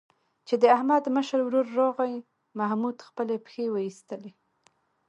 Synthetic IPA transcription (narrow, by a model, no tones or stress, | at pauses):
t͡ʃed̪əahmad̪məʃəɾwɾuɾːoɣaj | mahmud̪xpəlepxewəist̪əle